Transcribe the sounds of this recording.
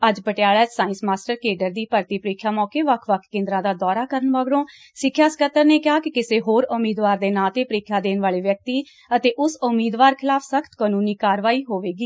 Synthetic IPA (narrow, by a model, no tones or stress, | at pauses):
əd͡ʒbəʈɪjaːɭɛːd͡ʒsaːɪ̃nsmaːsʈəɾkeːɖəɾd̪iːpəɾt̪iːpəɾeːkʰjaːmɔːkeːʋəkʰʋəkʰkẽːnd̪ɾãːd̪aːd̪ɔːɾaːkəɾənʋaːɡɽõː | sɪkʰːjaːsə̥kət̪ːəɾneːkjaːkɪkɪseːɦoːɾʊmiːd̪ʋaːɾd̪eːnaːt̪eːpəɾeːkʰjaːd̪eːnʋaːleːʋjək̚t̪iː | ət̪eːʔʊsʊmːiːd̪ʋaːɾkʰɪlaːpʰsəkʰt̪kaːnuːniːkaːɾʋaːiːɦoːʋeːɡiː